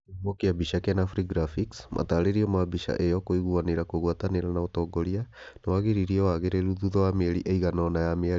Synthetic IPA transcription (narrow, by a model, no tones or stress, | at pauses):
mɔkeabiʃakɛnafɾiɡɾafiksmʔa̰taɾeɾiɔmabiʃa̰ʔejɔkoiɣuaneɾakoɣwataneɾanaotɔːɡɔɾia | nawaɣeɾiɾiɛwaɣeɾeɾuðuðɔwamɛɾiʔeiɣanɔnajameaɾi